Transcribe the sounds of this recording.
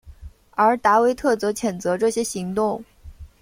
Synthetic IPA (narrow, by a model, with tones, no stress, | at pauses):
ə˞˧˥t̪a˧˥we˧˥ɪt̪ʰɤ˥˩t͡sɤ˧˥t͡ɕʰjɛ˨˩nt͡sɤ˧˥ʈ͡ʂɤ˥˩ɕjɛ˥ɕi˧˥ŋt̪ʊ˥˩ŋ